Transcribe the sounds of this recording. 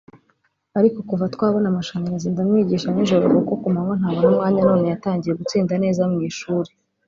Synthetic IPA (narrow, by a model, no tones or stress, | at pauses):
aɾiko̞kuvatkwaːβonamaʃaːɲiɾaziːndamŋiːɟiːʃaninʒo̞ɾo̰ɡokokumamon̥haːβonumŋaːɲano̞ːne̞jataːɲɟijeɡut͡siːndane̞ːzamŋiːʃuːɾe